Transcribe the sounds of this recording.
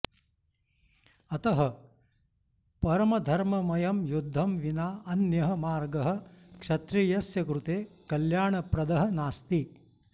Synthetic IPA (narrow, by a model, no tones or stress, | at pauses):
ɐt̪ɐɦɐ | pɐɾɐmɐd̪ʱɐɾmɐmɐjɐmjud̪ʱːɐmʋinaːʔɐnjɐɦɐmaːɾɡɐɦɐ̆kʃɐt̪ɾijɐsjɐkɾut̪eːkɐljaːɳɐpɾɐd̪ɐɦɐ̆naːst̪i